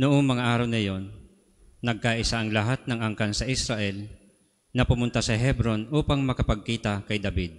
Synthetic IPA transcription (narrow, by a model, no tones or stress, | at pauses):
nʊʔoŋmɐŋaʔaːɾɐwnɐjo̞nː | ɐɡ̚kaʔɪsaʔɐŋlɐɦat̪̚nɐŋɐŋkansɐʔɪsɾɐʔɛl | nɐpʊmʊnt̪asɐɦɛbɾo̞nʔuːpɐŋmɐkɐpɐɡ̚kiːt̪ɐkɐjd̪ɐbid̪̚